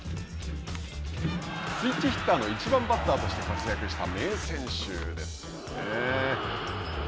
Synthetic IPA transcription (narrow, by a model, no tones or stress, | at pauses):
t͡sɨit͡ɕːiçi̥t̪ːaːno̞it͡ɕibãmbat̪ːaːt̪o̞ɕi̥t̪e̞kat͡sɨjakɯ̟ɕi̥t̪ame̞ːsẽ̞ɰ̃ɕɨ̰ːd̪e̞sɨ̥ | ne